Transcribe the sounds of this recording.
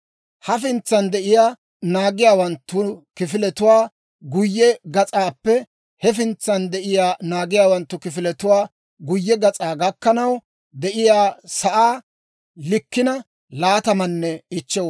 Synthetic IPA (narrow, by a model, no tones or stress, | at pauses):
hɐfɪnt͡sːɐnd̪ɛʔɪjaː | naːɡɪjaːwɐnt̪ːʊkɪfɪlɛt̪ʊwaː | ɡʊjːɛɡɐt͡sʼaːpːɛ | hɛfɪnt͡sːɐnd̪ɛʔɪjaːnaːɡɪjaːwɐnt̪ːʊkɪfɪlɛt̪ʊwaː | ɡʊjːɛɡɐt͡sʼaːɡɐkːɐnɐw | d̪ɛʔɪjaːsɐʔaː | lɪkːɪnɐ | laːt̪ɐmɐnːɛɪt͡ʃːɛw